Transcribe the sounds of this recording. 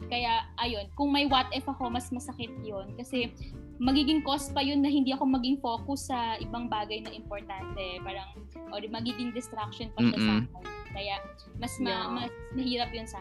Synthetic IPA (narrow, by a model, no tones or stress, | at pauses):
kɐjaʔɐjo̞nkʊŋmɐjwat̪̚ʔɛfɐko̞mɐsmɐsɐkɪt̪̚jonkɐsɛ | mɐɡiːɡɪŋko̞s̚pɐjonːɐhɪnd̪iːʔɐko̞mɐɡɪŋfo̞ːkʊsːɐʔɪbaŋbaːɡɐjnɐʔɪmpoɹt̪ant̪ɛpaːɾɐŋ | ʔod̪ɪmɐɡiːɡɪŋd̪ɛst̪ɾak̚ʃonpɐʃasaːkɛnkɐja | mɐsmɐmɐsmɐhiːɾɐp̚jonsa